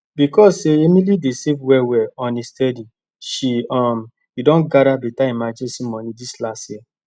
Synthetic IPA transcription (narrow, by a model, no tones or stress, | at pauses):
bikɔseemilidesevwɛwɛɔnistɛdi | ʃiɔm̩ | idɔ̃nɡaɾabitaimad͡ʒesimɔ̃nidislase